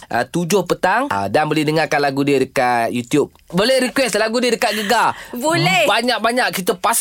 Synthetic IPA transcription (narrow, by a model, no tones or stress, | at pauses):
ʔə̰t̪ud͡ʒʊhpət̪aŋdanbolɪhdəŋarkanlaɡudiədəkatt̪jut̪jup̚bolɛhɾikwɛslaɡudiədəkat̪̚ɡəɡabolɛbaɲak̚baɲaʔkit̪əpas